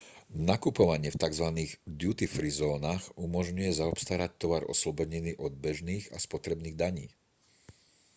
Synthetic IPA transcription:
nakupɔʋaɲɪɛft̪aɡzʋaniːɣd̪jut̪ifɾizɔːnaɣumɔʒɲujɛzaɔpst̪aːɾac̚t̪ɔʋaɾʔɔ̰slɔbɔɲiniːʔɔd̪̚bɛʒniːɣa̰spɔt̪ɾɛbniːɣd̪aɲiː

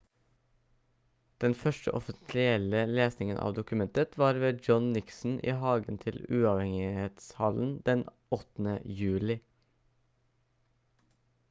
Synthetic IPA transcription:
d̪̥ɛnfœʃʈə̰ʔɔfɪsɪɛləleːsnɪŋənʔɑ̰ːʋd̪ʊkʉmɛnt̪ət̪ʋɑːɾʋeːd͡ʒɔnnɪksn̩ʔḭːhɑːɡənt̪ʰɪlʉːɑːʋhɛŋɪheːt̪shɑln̩d̪ɛn | ɔt̪n̩ə̰jʉːlɪ

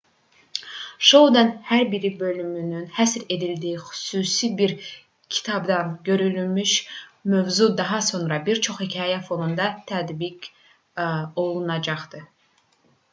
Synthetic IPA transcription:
ʃo̞wd̪ɑnhæɾbiɾibø̞lymynynhæsɾe̞d̪ild̪iixy̥suːsibiɾ | cʰi̥t̪ʰɑbd̪ɑnɟø̞ɾylymyʃmø̞vzud̪ɑɦɑso̞nɾɑbiɾt͡ʃʰo̞χhicʰɑːjæfo̞nund̪ɑt̪ʰæd̪biɟ | o̞lˠunɑd͡ʒɑχd̪̥ɯ

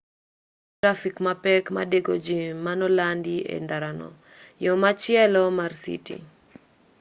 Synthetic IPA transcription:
tɾafikmapɛkma̰deɡod͡ʒiːanɔlandiḛndaɾanɔ̰ | jɔmat͡ʃjɛlɔmarsḭtḭ

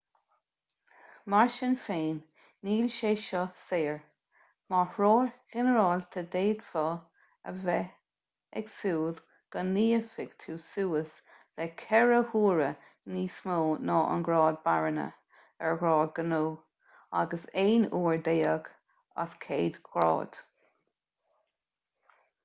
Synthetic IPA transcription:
maɹʃənfeːnː | iːlʃeːʃɔseːɹ | mahɹoːhɛnəɾɑːlt̪ʰəd̪eːdfɔ | əvɛ | ɛɡsuːl | ɡ̥ənːiːəfɪɡ̥t̪ʰuːsuːəs | lɛkʰɛɹəhuːɹə | niːsmoːnɑːʔə̰nɡɹɑːd̪̚baɹənə̰ | ɛɹɡɹɑːd̚ɡənoː | a̰ɡəseːnuːɹd̪eːəɡ | a̰skʰeːd̪̥kʰɑ̰ːd̪̥

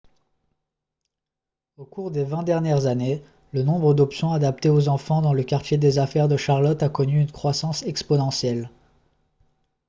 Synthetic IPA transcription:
okuʁd̪evɛ̃d̪ɛʁnjɛʁzane | lənɔ̃bʁəd̪ɔpsjɔ̃ad̪ap̚t̪eozɑ̃fɑ̃d̪ɑ̃ləkaʁt̪jed̪ezafɛʁd̪əʃaʁlɔt̪akɔnyynkχwasɑ̃sɛkspɔnɑ̃sjɛl

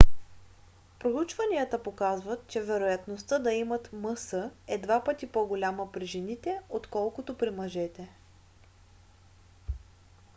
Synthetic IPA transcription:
pɾout͡ʃvɐniət̪əpokazvət̪̚t͡ʃɛvɛɾojɐt̪nost̪əd̪ɐimət̪mɤsəɛd̪vapət̪ipoɡolʲaməpɾiʒɛnit̪ɛot̪kɔlˠkot̪opɾimɐʒɛt̪ɛ

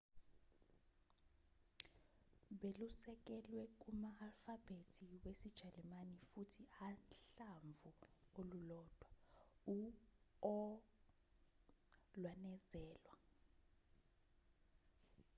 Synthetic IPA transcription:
ɓelusɛk̬ɛlwɛk̬umaːlfab̥ʱetʰiwesid̥ʒ̥ʱalimanifutʰianɬaɱvʱuolulɔd̥ʱwau | ɔ | lwanɛzɛːlwa

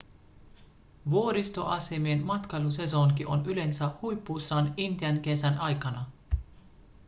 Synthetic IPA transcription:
ʋuoɾist̪o̞ʔɑsemienmɑt̪kɑluse̞soŋkiʔo̞̰nyle̞nsæhujpːusːɑnint̪iænke̞sænʔɑjkɑnɑ

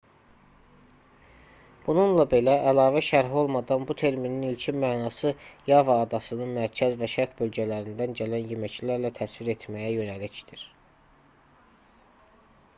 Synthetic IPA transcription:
b̥ununlˠɑbe̞læʔːlɑːvæʃæɾɦo̞lˠmɑd̪ɑnbut̪ʰe̞ɾmininilcʰimæːnɑsɯjɑvɑːd̪ɑsɯnɯnmæɾcʰæzvæʃæɾt̪bø̞lɟælæɾind̪ænɟælænjemæcʰlæɾlæt̪ʰæsviɾe̞t̪ʰmæjæjø̞nælicd̪̥iɾ̥

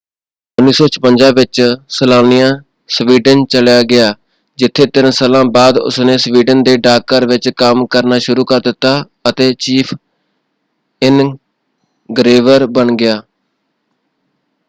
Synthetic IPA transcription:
ʊnːiːsɔːt͡ʃʰə̥pənd͡ʒãːʋɪt͡ʃsəlaːnɪjãː | sʋiːɖənt͡ʃəljaːɡɪaː | d͡ʒɪt̪ʰːeːt̪ɪnsəːlãːbaːd̪ʊ̰snẽːsʋiːɖənd̪eːɖaːkəɾʋɪt͡ʃkəmkəɾnaːʃʊɾuːkəɾd̪ɪt̪ːaː | ət̪eːt͡ʃiːpʰ | ɪn | ɡɾeːʋəɾbəɳɡɪjaː

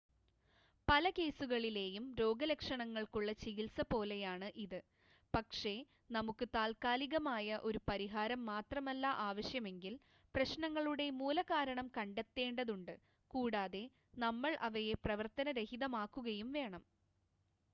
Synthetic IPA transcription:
pɐlɐke̞ːsuɣɐɭile̞ːjumɾo̞ːɡɐlekʂɐɳɐŋːɐɭkuɭːɐt͡ɕiɣilsɐpo̞ːle̞jaːɳɨʔiðɨ | pɐkʂe̞ | nɐmukːɨt̪aːlkaːliɣɐmaːjɐʔo̞ɾupɐɾiɦaːɾɐmːaːt̪rɐmɐlːɐʔaːʋɐɕjɐme̞ŋɡil | prɐɕnɐŋːɐɭuɽe̞muːlɐkaːɾɐɳɐmkɐɳɖet̪ːe̞ːɳɖɐðuɳɖɨ | kuːɽaːðe̞ | nɐmːɐɭʔɐʋɐje̞prɐʋɐrt̪ɐnɐɾehiðɐmaːkːuɣɐjumʋe̞ːɳɐm

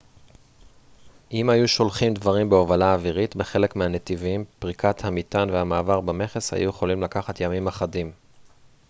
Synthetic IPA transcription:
ʔimajuʃo̞lχimd̪vaʁimbeovalaːviʁit̪beχe̞le̞kmehanet̪ivimpʁikʰat̪hamit̪anvehamaːvaʁbame̞χe̞sha̰juje̞χo̞limlakaχat̪jamimaχadim

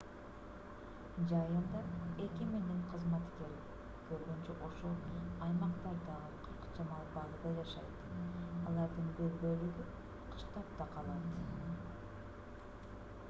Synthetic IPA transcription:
d͡ʒɑjɯnd̪ɑe̞kimend̪iɴqʰəzmɑt̪ke̞ɾi | kʰøɾɡønt͡ʃøʔo̞ʃolˠɑjmɑqt̪ɑɾd̪ɑɑlˠqʰɯɾqɯ̥d͡ʒɑmɑlˠbɑlˠɯd̪ɑd͡ʒɑʃɑjt̪ɑlˠɑɾd̪ɯnbølbølyɡy | qʰɯ̥ʃt̪ɑp̚t̪ɑqʰɑlˠɑt̪

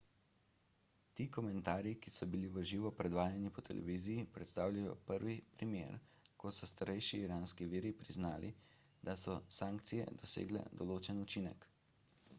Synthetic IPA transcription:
t̪iːkɔmɛnt̪aːɾjikisɔbiliʋəʒiːʋɔpɾɛd̪ʋaːjanipɔt̪ʰɛlʔɛ̰ʋiːzijipɾɛt̪st̪aːwlʲajɔ̰pəɾʋipɾimḛːɾ | kɔsɔst̪aɾɛjʃiːɾaːnskiʋiːɾipɾiznaːlʔi | d̪̥asɔsaːŋkt̪sijɛ̰d̪ɔsḛːɡlɛ̰d̪ɔloːt͡ʃɛnut͡ʃinɛk

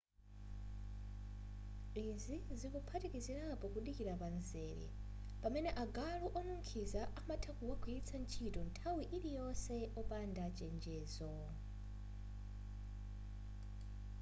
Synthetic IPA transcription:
izizikupʰatikiziɾapɔkuɗikiɾapanzɛːɾḭ | pamɛnɛʔaɡaluʔɔnuŋkʰizaʔamatʰakuwakwiit͡sʰant͡ʃʰitɔntʰawiʔiɾijɔsɛɔpandat͡ʃɛnd͡ʒɛːzɔ

